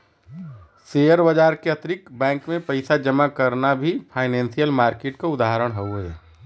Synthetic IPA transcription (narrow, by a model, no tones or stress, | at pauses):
seːjəɾbəd͡ʒaːɾkeɐt̪ɾɪkbɛ̃ːŋkmẽpɐɪsad͡ʒəmakəɾnabʱipʰaːɪnɛ̃ːnsijəlmaːɾkeːʈkaʊd̪aːɦəɾəɽ̃ɦowɦɛː